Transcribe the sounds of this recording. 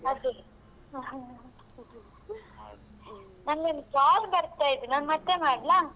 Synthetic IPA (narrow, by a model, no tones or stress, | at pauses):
ɐd̪ɯ | nɐŋɡenːɐsaːlbɐɾɐt̪ːaːjɪðɯnaːnmɐt̪ːemaːɽlãː